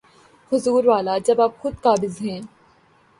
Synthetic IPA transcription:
hʊzuːɾʋaːlad͡ʒɐbaːp̚xʊd̪̚kaːbɪzɦɛ̃ː

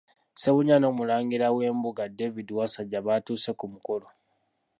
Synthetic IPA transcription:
se̞βuɲano̞ːmulaːŋɡiɾawe̞ːmbuɡade̞vidiwasaɟaβatuːse̞kumuko̞lo̞

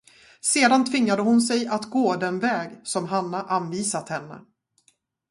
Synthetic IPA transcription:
seːd̪ant̪ʰvɪŋːad̪əɦʊnsɛjat̪ɡoːd̪ɛnvɛːɡsɔmɦanːaʔanviːsat̪hɛnːə̰

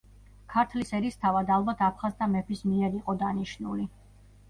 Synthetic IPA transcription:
kʰaɾt̪ʰlisɛɾist̪ʰavad̪alˠbat̪ʰapʰχazt̪ʰamɛpʰismiɛɾiqʼɔd̪aniʃnuli

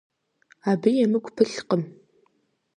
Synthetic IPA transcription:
aːbɨjɛmɨɡʷʰʼpʰɨɬqəm

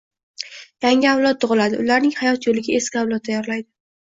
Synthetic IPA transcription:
jaŋʲɪawlˠɒt̪̚ːʊʁɨlad̪ɪʊlaɾnɪŋhajɒt̪jolɪɡʲae̞skʲɪawlˠɒt̪̚ːʰajɒɾlajd̪ɪ

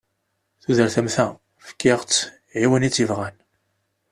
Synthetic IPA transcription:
θuðəɾθæmθæ | fə̥kːɪʁt͡sː | ʕiwənit͡sːəvʁæn

